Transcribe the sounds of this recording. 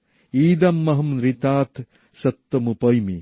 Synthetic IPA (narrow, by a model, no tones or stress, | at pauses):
iːd̪ɐmːɐɦɐmɾit̪aːt̪ | sɐt̪ːɐmupɐjmi